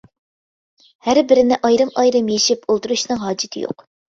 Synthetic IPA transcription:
hæɾbɪɾɪnɪʔɑjɾɨmɑjɾɨmjeʃipʰolˠt̪uɾuʃnɨŋɦɑːd͡ʒɪt̪ʰɪ̰jo̰q

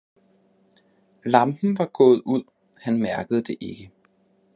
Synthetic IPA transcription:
lɑ̈mb̥n̩ʋɑ̈ɡ̥ɔ̽ːð̞̩ˠuð̞̰ˠ | hænmæɐ̰ɡ̥əð̞̩ˠd̥e̝ʔe̝ɡ̥ə

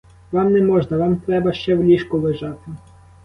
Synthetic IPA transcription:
ʋɑmnɛmɔʒnɐʋɑmt̪ɾɛbɐʃt͡ʃɛwlʲiʃkʊʋɪʒɑt̪ɪ

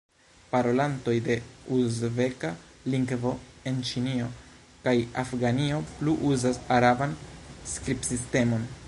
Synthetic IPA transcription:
paɾo̞lanto̞jde̞uzve̞ka | liŋɡvo̞e̞nt͡ʃinio̞ | kajafɡanio̞pluʔuzasaɾabanskɾipsiste̞mo̞n

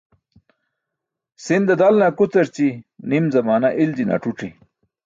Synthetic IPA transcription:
sind̪ɐd̪alnakut͡sɐɾt͡ɕinimzɐmaːnaʔild͡ʑina̰ʈ͡ʂuʈ͡ʂi

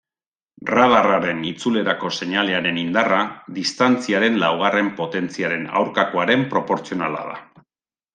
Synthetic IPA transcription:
rað̞araɾe̞nit͡sule̞ɾako̞se̞ɲale̞aɾe̞nind̪araðist̪ant͡siaɾe̞nlawɣ̞are̞mpo̞t̪e̞nt͡siaɾe̞na̰wɾkako̞aɾe̞mpɾo̞po̞ɾt͡sio̞nala̰ða̰

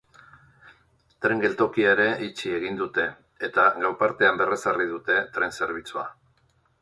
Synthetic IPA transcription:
t̪ɾe̞ŋɡe̞lt̪o̞kiaeɾe̞ʔit͡ʃie̞ɣ̞ind̪ut̪e̞ː | t̪aɣawɾpaɾt̪e̞ambe̞re̞sarið̞ut̪e̞t̪ɾe̞nse̞ɾβ̞it͡sua

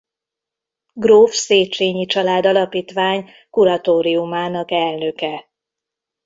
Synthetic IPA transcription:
ɡroːfseːt͡ʃeːɲit͡ʃɒlaːd̪ɒlɒpiːt̪ʋaːɲ | kuɾɒt̪oːɾiumaːnɒkɛlnø̞kɛ

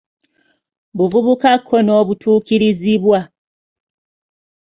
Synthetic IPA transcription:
βuvuβukakʰːono̞ːβutʰuːkiɾiziβwa

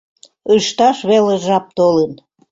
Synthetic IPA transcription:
əʃt̪ɑʃβeleʒɑp̚t̪olən

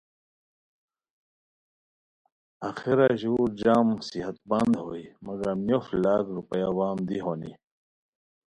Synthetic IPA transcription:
axiɾaʑuːɾd͡ʑaːmsiɦɐt̪̚bɐnd̪ɦoːimɐɡɐɾmjoflaːkɾupɐjawaːmd̪iɦoːnḭ

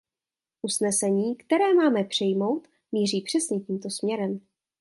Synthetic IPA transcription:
ʔusnɛsɛɲiːkt̪ɛɾɛːmaːmɛpr̝̥ɪjmo̞wt̪ | miːriːpr̥ɛsɲɛciːmt̪o̞smɲɛɾɛm

